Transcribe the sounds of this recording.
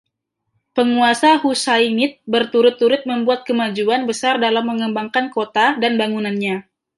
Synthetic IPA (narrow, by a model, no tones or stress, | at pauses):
pəŋuasahusainɪt̪̚bərt̪uɾʊt̪ːuɾʊt̪̚məmbuat̪̚kəmad͡ʒuanbəsardalamːəŋəmbaŋkankot̪adanbaŋunanɲa